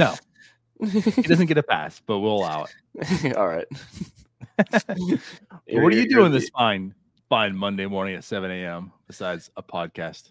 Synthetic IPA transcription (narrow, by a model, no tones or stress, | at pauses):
noʊ | ɨd̥ʌzɨ̃nɡ̥ɛɾɨpʰæ̰sb̥ʌt̚wilˠəlaʊə̰t̚ɔ̰lˠɹa̰ɪt̚ | wʌɾɨjɨdʉə̃nðɪsfãɪ̃n | fãɪ̃nmʌ̃ndeɪmɔɹnɪ̃ŋɨtsɛvɨ̃neɪɛ̃mb̥ɨsaɪdz̥əpʰɑd̚kʰæst̚